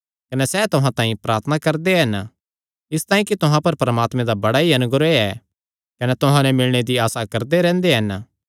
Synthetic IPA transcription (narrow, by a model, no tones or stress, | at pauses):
kɐnɛsɛt̪ʊɦãt̪ãːɦĩpɾaːɾt̪ʰnakɐɾd̪eɦɐn | ɪst̪aːĩkit̪ʊɦãpɐɾpɐɾəmaːt̪mẽd̪abɐɽaɦiɐnʊɡɾeɛ | kɐnɛt̪ʊɦãnɛmɪlɽ̃ed̪iaːsakɐɾd̪eɾɛ̃ːnd̪eɦɐn